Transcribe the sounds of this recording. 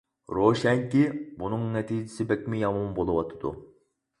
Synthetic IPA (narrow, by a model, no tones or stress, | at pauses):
ɾoʃɛŋkʲibunɨŋnɛt̪ʰiːd͡ʒɪsɪbɛkʲmɪjɑmɑmbolˠɨwɑt̪ʰɨ̥d̪ṵ